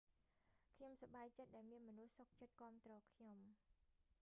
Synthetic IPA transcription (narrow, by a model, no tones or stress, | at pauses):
kʰɲomsaɓaːjt͡ɕət̪̚ɗaɛlmiənmɔnuhsok̚t͡ɕət̪̚kŏəmt̪rɔːkʰɲom